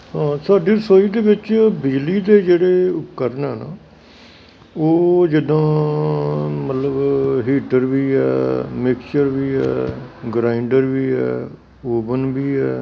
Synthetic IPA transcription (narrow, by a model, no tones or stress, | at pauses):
ɦãːsaːɖiːsoːiːd̪eːʋɪt͡ʃbɪd͡ʒliːd̪eːd͡ʒeːɽeːʊkəɾnɛːna̰ː | oːd͡ʒɪd̪ãː | mət̪ləbɦiːʈəɾʋiːɛːmɪkt͡ʃəɾʋiːɛːɡɾaːɪɳɖəɾʋiːɛ̰ː | oːbənbiːɛː